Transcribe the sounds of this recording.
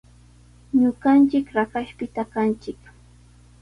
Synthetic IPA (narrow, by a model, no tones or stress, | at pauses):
ɲʊɢant͡ʃɪkɾakaʃpɪt̪akant͡ʃɪk